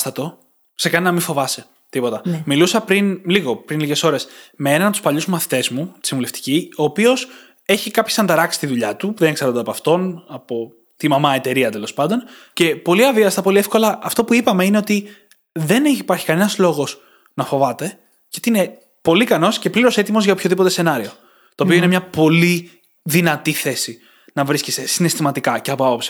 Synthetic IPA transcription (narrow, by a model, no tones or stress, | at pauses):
st̪ɐt̪o̞ | se̞kɐninɐmiɱfo̞vɐse | t̪ipo̞t̪ɐmilusɐpɾinliɣo̞pɾinliʝe̞so̞ɾe̞smeenɐnɐp̚t̪u̥pɐʎuzumɐθi̥t̪e̞zmut̪i̥simuleft̪i̥cio̞ːpio̞s | e̞çikɐpçesɐnd̪ɐɾɐksi̥st̪iðuʎɐt̪upuðeneksɐɾod̪eɐpɐft̪o̞nɐpo̞ | t̪imɐmɐe̞t̪e̞ɾiɐt̪e̞lo̞spɐnd̪o̞nce̞po̞liɐviɐst̪ɐpo̞liefko̞lɐʔɐft̪o̞puipɐme̞ine̞o̞t̪i | ðe̞neçipɐɾçi̥kɐnenɐzlo̞ɣo̞s | nɐfo̞vɐt̪e̞ | cet̪iine̞ | po̞likɐno̞sce̞pliɾo̞se̞t̪imo̞zʝɐopço̞ðipo̞t̪ese̞nɐɾio̞ | t̪oːpioinemɲɐpo̞li | ðinɐt̪iθe̞si | nɐvɾiscest̪e̞sine̞st̪imɐt̪ikɐceɐpoɐpo̞psi̥